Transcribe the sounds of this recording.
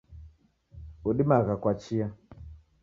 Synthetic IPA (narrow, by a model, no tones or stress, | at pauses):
uɗimaɣakwat͡ʃia